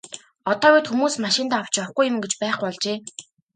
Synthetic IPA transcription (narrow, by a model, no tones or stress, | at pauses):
ɔt̪ɔːut̪xumuːsmaʃɪ̆nt̪aːw̥t͡ɕpɔwχɡujʊ̆mɡet͡ɕpæːχɔɮt͡ɕeː